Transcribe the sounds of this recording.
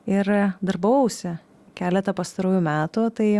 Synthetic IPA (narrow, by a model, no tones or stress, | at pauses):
ɪɾd̪ɐɾbɐʊsʲɪ | kʲæːlʲɛt̪ɐpɐst̪ɐɾuːjumʲæːt̪ut̪ɐɪ